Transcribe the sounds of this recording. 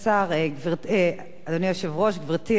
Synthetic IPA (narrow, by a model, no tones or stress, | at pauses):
saʁeɡviʁe | ad̪onijoʃevʁoʃɡviʁt̪i